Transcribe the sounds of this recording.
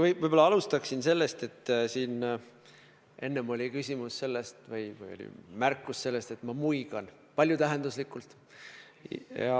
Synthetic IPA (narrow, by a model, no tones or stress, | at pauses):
ɯvɤjb̥olːɑɑlust̪ɑksinse̞lːe̞st̪e̞t̪ːsiːn | ʔe̞nːemo̞lʲikysʲimusse̞lːest̪vɯjvɯ̰jo̞̰lʲḭmærkːusse̞lːe̞st̪e̞t̪mɑmuiɡ̥ɑn | pɑlʲjut̪æɦe̞nd̪uslikːˑult̪ˑ | jɑ̰